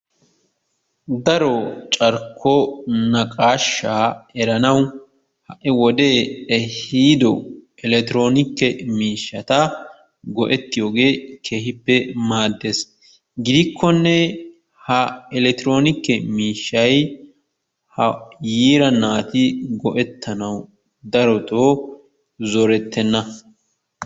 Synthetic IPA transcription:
d̪ɐɾɔt͡ʃʼɐɾkʰːɔnɐkʼaːʃːaːɛɾɐnɐw | hɐʔɛwɔd̪e̞ːɛhiːd̪ɔ | ɪlɛt̪ɪɾo̞ːnɪkːɛmiːʃːɐt̪ɐ | ɡɔʔɛt̪ːɪjo̞ːɡe̞ːkʰe̞ːhɪpːɛmaːd̪ːe̞ːs | ɡɪd̪ɪkʰːɔnːɛ | hɐɛlɛt̪ɪɾo̞ːnɪkːɛmiːʃːɐj | hɐjiːɾɐnːaːt̪ɪɡɔʔɛt̪ːɐnɐw | d̪ɐɾɔt̪oː | zɔɾɛt̪ːɛnːɐ

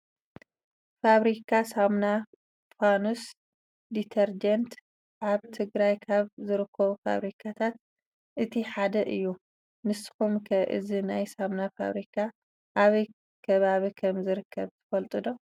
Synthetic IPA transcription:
faβɾikʰasamna | fanus | d̪it̪ʰɐɾd͡ʒɐnt̪ | ʕaβt̪ʰɨɡɾajkʰaβzɨɾɨkʰːɐβufa̰βɾikʰat̪ʰat̪̚ | ʔɨt̪ʰiħad̪ɐʔɨjːu | nɨsɨ̥xumkʰɐʔɨ̰zinajsamnafa̰βɾikʰa | ʔaβɐj | kʰɐβaβikʰɐmzɨɾɨkʰːɐβt̪ʰɐ̥fɐlt̪ʼɨd̪o̞

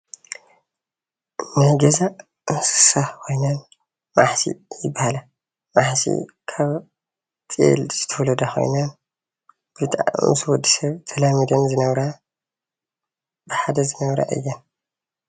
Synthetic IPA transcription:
najɡɐza | mɨsɨ̥sahkʰo̞jnan | maħsḭjɪbːahala | maħsḭ | kʰaβ | t͡sʼḛlz̥ɨt̪ʰɐwlɐd̪axo̞̰jnan | bɨt̪ʼa̰mɨswɔd̪ːisɐβt̪ʰɐlamid̪ɐnzɨnɐβɾa | bɨħad̪ɐzɨnɐβɾa̰ʔɨ̰jːɐn

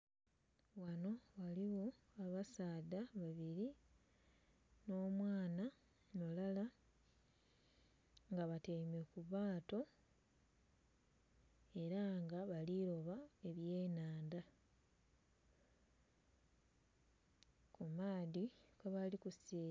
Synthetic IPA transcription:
wano̞waliwo̞aβasaːdaβaβiɾi | no̞ːmwaːna | no̞lala | ŋɡaβatemekuβaːto̞ | e̞ɾaŋɡaβaliɾo̞βae̞βje̞ːnaːnda | kumaːðikeβalikuseː

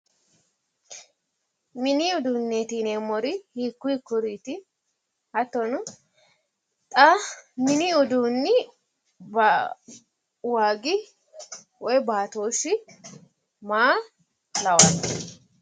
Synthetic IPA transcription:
mɪniʊd̪unːeːt̪iːnemːɔɾɪhiːkːʊjkʊɾiːt̪ɪ | hɐt̪ːɔnʊ | t̪ʼamɪniʊd̪uːnːɪ | b | waːɡɪ | wɔjbaːt̪oːʃːɪ | maː | lɐwanɐ

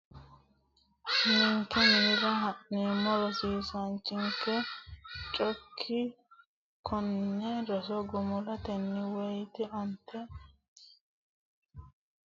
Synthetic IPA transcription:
nɪŋkːɛmiːɾɐɦɐʔneːmːɔɾɔsiːsɐnt͡ʃːɪŋkːɛ | t͡ʃʼɔkʰːɪ | kʰɔnːɛɾɔsɔɡʊmʊlɐt̪ɛnːɪwɛjt̪ɛʔɐnt̪ːɛ

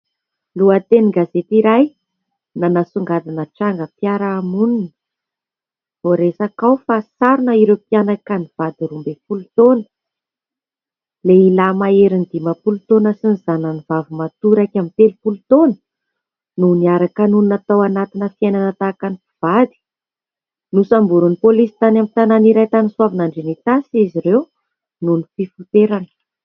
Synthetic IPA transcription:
luat̪eniɡazet̪iɾaj | nanasuŋɡad̪anəʈ͡ʂaŋɡəpjaɾaːmuninə | voɾesakawfasaɾunəiɾewpianakaniv̥ad̪iɾumbefulut̪onə̥ | leilamaeɾind̪imapulut̪onəsiniz̥anənivavumat̪uɾakʲamit̪elupulut̪onə̥ | nuniaɾakanununat̪awanat̪inəfiajnanət̪akanifiv̥ad̪i̥ | nusambuɾunipolisi̥t̪anamit̪ananiɾajt̪aniswavanaɳɖ͡ʐenit̪asiziɾew | nunififut̪eɾanə̥

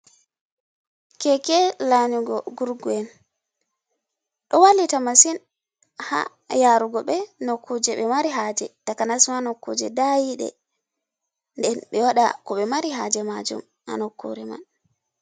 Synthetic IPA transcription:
kɛkɛlaɲuɡɔɡuɾɡuɛn | ɗɔwalitamasin | ha̰ | jaɾuɡɔɓɛnɔkːud͡ʒɛɓɛmaɾiɦad͡ʒɛtakanasmanɔkːud͡ʒɛdajiɗɛ̰ | ndɛnɓɛwaɗa̰kɔɓɛmaɾiɦad͡ʒɛmad͡ʒṵm | a̰nɔkʰːṵɾɛma̰n

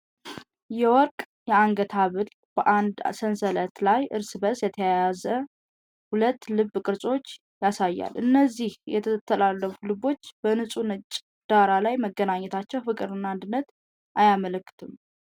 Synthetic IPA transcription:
jɛwɔɾkʼ | jɛaŋɡət̪ʰaβɨl | bəʔand̪sənsələt̪lajʔɨɾsɨbəsjɛt̪ʰəjajazə | hulət̪ːlɨbːkʼɨɾsʼo̞t͡ʃː | jasajːa̰lʔɨnːəzːihjɛt̪ʰəət̪ʰːəlalːəfulɨbo̞t͡ʃːb̥ənɨsʼunɨt͡ʃʼ | d̪̥aɾalajməɡənaɲːɛt̪ʰat͡ʃːɛwfɨkʼɨɾɨnːand̪ɨnːət̪ | ʔajamələkːɨ̥t̪ʰɨm

